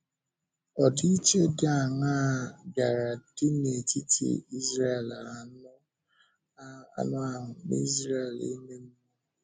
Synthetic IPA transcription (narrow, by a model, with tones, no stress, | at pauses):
ɔ˨di˦i˦t͡ʃe˦dɪ˦a˨ŋa˦ɡa˨ɾa˨dɪ˦ne˨ti˦tḛ˨i˦zɾa˦˨la˨nʊ˦ | a̰˨nʊ˦a˨ɦʊ˨nḭ˦zɾa˦˨lḛ˦me˦m̩˦o˦